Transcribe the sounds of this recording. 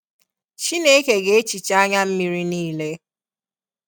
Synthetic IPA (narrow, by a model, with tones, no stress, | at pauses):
t͡ʃi˦ne˦ke˨ɡe˦e˦t͡ʃi˨t͡ʃa˦ɲa˦m̩˦mi˦ɾi˦niː˦le˦